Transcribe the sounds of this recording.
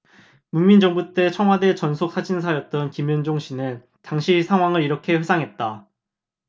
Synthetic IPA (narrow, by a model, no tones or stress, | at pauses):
munmind͡ʑʌŋbut͈e̞t͡ɕʰʌŋwade̞t͡ɕʌnsʰok̚s͈ʰad͡ʑins̬ʰajʌt̚t͈ʌnkimjund͡ʑoŋɕʰinɯn | taŋɕʰisʰaŋwaŋɯɾiɾʌkʰe̞ɸesʰaŋɦe̞t̚t͈a